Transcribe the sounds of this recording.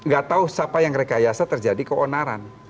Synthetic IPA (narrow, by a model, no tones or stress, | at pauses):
ŋɡat̪aʊhsapajaŋɾekajasat̪ərd͡ʒadikəonaɾa̰n